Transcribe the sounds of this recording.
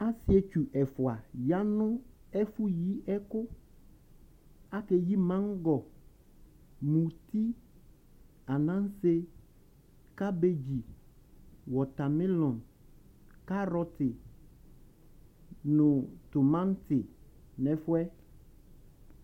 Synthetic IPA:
a˦sɪ˦ɛ˨t͡ʃu˨ʔɛ˨fʊ˨a˨ja˦nʊ̃˦ | ɛ˦fu˦ji˦ɛ˦kʊ˦ | a˦ke˨ji˦mã˦ŋ˦ɡɔ˨ | mũ˨ti˦ | a˨nã˦n˦se˦ | ka˦be˦d͡ʑi˨ | wɔ˨t̪a˨mɪ˦lɔ̃˨n | ka˦ɾɔ˦t̪ɪ˨ | nʊ̃˨tʊ˨mã˦n˦tɪ˨ | nɛ̃˨fʊ˦ɛ˦

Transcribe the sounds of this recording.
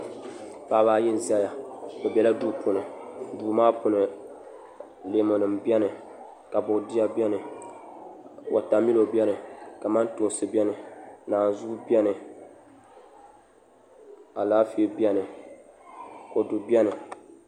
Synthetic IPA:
paː˨˦baː˦jɪ˦n˦za˦ja˨bɛ˨bɛ˨la˦duː˦pʰʊ˨nɨ˨duː˨maː˦pʊ˨nɨ˨ | le˨˦mo˨nɨ˨mbi˦ɛ˦nɨ˨ | ka˨bʊ˨di˦ja˦bɛ˦nɨ˨ | wʔa̰˨ta˨mi˦lo˨bjɛ˦nɨ˨ka˨ma˦n˦tʊ˨ŋ˨sɨ˦bɛ˦nɨ˨naː˨n˨zʊ˦bɛ˦nɨ˨ | a˨laː˦fi˦˨bɛ˦nɨ˨ | ko˨du˨bi˦ɛ˦nɨ˨

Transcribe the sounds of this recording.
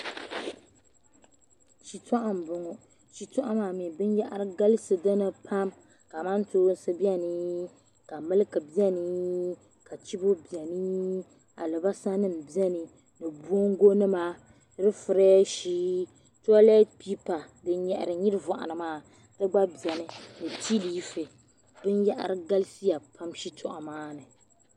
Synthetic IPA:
ʃi˨tɔ˦ʔa˦m˨bʊ˨ŋɔ˨ | ʃi˨tɔ˦ʔa˦maː˨mi˨bɨ˦n˦ja˦ʔa˦ɾɨ˦ɡa˦lɨ˦sɨ˨dɔ˦nɨ˦pʰa˦m | ka˨ma˦ntoː˦n˦sɨ˦bi˦ɛ˦nɨ˦ | ka˨mɨ˦lɨ˦kɨ˨bi˦ɛ˦ni˦ | ka˨t͡ʃi˦bo˦bi˨ɛ˨ni˦ | a̰˨lɨ˨ba˦sa˦nɨ˦m˨bi˦ɛ˦nɨ˨ | nɨ˨bu˦o˦ŋ˦ɡo˦nɨ˦ma˦ | dɨ˦fɨ˨ɾɛː˦ʃiː˦ | tɔ˦lɛ˦tpi˦pa˨ | dɨ˦ɲɛ˨ʔɪ̰˨ɾɨ˨ɲi˦ɾɨ˦vɔ˨ʔa̰˨nɨ˨maː˦˨ | dɨ˦ɡ͡ba˦bi˨ɛ˨nɨ˦nɨ˨tʰi˦liː˦fɨ˨ | bɨ˦njɛ˦ʔa̰˨ɾɨ˦ɡa˦lsi˦ja˨pʰa˦mʃi˦tʰʊ˨ʔɔ̰˨maː˦nɨ˨

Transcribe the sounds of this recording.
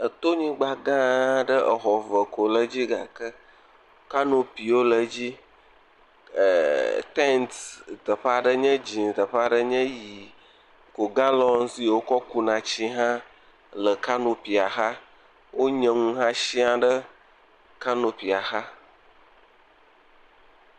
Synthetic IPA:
ə˨t̪o˦ɲĩ˦ɡ͡ba˦ɡã˦ɖə˦ʔə˨xɔ˨və˨ko˨lə˦d͡ʑi˦ɡa̰˨kə˦ | ka˦nõ˨pi˨wo˦lə˨d͡ʑi˦˨ | t̪ɛ˦nt̪t̪ə˨ɸa˦ɖə˦ɲɛ̃˦d͡ʑĩ˨nt̪ə˨ɸa˦ɖə˦ɲə̃˦ji˨ | ko˨ɡã˦lɔ˦n˦si˦je˨wo˦kɔ˦ku˦nã˨t͡ɕi˦ɦã˦ | lə˨ka˦nõ˨pi˨a˨xa˦ | wo˦ɲə̃˨ŋũ˦ɦã˦ʃi˦a˦ɖə˦ | ka˦nõ˨pi˨a˨xa˦

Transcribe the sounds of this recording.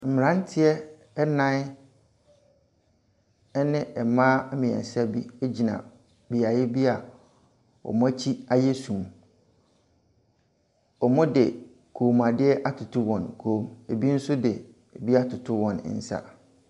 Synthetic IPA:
m̩˨mɪ̃˨ɾã˦n˦tʰɪ˦ɛ˦ | ɛ˦nã˦ | ɛ˦nɪ̃˦ɛ˨mãː˦mɪ̃˨ɛ̰˨sa˦bi˦e˦d͡ʑi˨nã̰˨ | bi˨a˨jɛ˦bi˦a˨ | ɔ̰˨mʊ̃˦æ˦t͡ɕʰi˦a˦jɛ˦sũ˨m | ɔ˨mʊ̃˦dɪ˨ | kʰoː˨m˨ã˨dɪ˦ɛ˦ʔa˦tʰʊ˨tʰʊ˦wɔ̃˨nkʰoː˦me˨bi˦n̩˦sʊ˦dɪ˨ | e˨bi˦a˦tʰʊ˨tʰʊ˦wɔ̃˨n̰˨˦n̩˨sa̰˦

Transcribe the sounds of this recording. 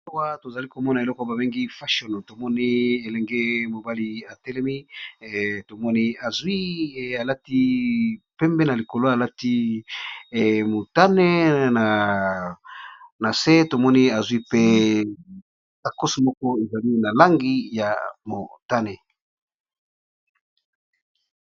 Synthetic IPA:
wa˦to˨za˨li˦ko˨mɔ˦na˨e˨lɔ˦kɔ˦ba˨be˦ŋɡi˦fa˦ʃo˨no˨to˨mɔ˦ni˦e˨lɛ˨ŋɡɛ˦mo˨ba˦li˦a˨tɛ˦lɛ˦mi˦ | to˨mɔ˦ni˦a˨zwi˦˨a˨la˦ti˦pɛ˦mbɛ˦na˨li˨ko˨lo˦a˨la˦ti˦˨ | mo˨ta˦nɛ˦na˨ | na˨se˦to˨mɔ˦ni˦a˨zwi˦pe˦ | ka˨ko˦su˨mɔ˦kɔ˦e˨za˨li˦na˨la˦ŋɡi˦ja˨mo˨ta˦nɛ˨

